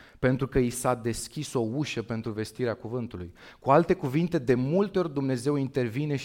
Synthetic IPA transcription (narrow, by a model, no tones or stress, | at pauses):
pe̞nt̪ɾukəisad̪e̞skʲiso̞uʃəpe̞nt̪ɾuve̞st̪iɾeakuvɨnt̪ulṵjkualt̪e̞kuvint̪e̞d̪e̞mult̪eorʲd̪umne̞ze̞wint̪e̞rvine̞ʃ